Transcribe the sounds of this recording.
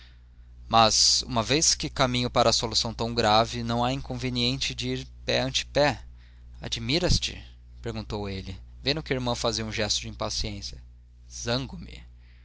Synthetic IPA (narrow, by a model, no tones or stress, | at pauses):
mɐzṵ̃mɐvejskɪkamĩɲʊpaɾɐːsolusɐ̃w̃t̪ɐ̃w̃ɡɾavɪnɐ̃w̃aĩkõveniẽnt͡ʃɪd͡ʒɪiɾpɛɐ̃nt͡ʃɪ̥pɛ | a̰d͡ʒimiɾɐst͡ʃɪ̰ | peɾɡũnt̪owelɪvẽnd̪ʊkɪiɾmɐ̃w̃faziɐũʒɛst̪ʊd͡ʒɪĩpasiẽsjɐ | zɐ̃ŋɡʊmɪ̰